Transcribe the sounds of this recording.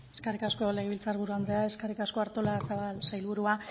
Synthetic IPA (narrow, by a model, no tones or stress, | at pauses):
eskarikasko̞le̞ɣe̞βilt͡saɾβuɾuand̪ɾeae̞skarikasko̞aɾt̪o̞lasaβalsajlβuɾua